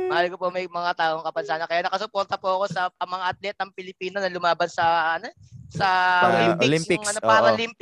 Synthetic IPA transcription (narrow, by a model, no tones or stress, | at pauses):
mɐʔaːlkopomɐjmɐŋat̪aːʔo̞ŋkɐpɐnsaːnɐkɐjaːnɐkɐsʊpo̞ɾt̪ɐpuɐko̞sɐɐmɐŋaʔɐt̪̚lɛt̪̚ːɐŋpɪlɪpiːnonɐlʊmaːbɐnsɐɐnosɐolimpɪlɪmɪŋɐnopaːɐlimp